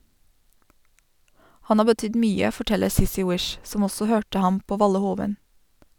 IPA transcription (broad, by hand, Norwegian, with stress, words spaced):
ˈhɑn ˈɑː bəˈtʏd ˈmyːə fɔˈʈɛləɾ ˈsɪsɪ ˈwɪʃ ˈsɔm ˈɔsɔ ˈhøːʈə ˈhɑm ˈpoː ˈʋɑlə ˈhoːʋən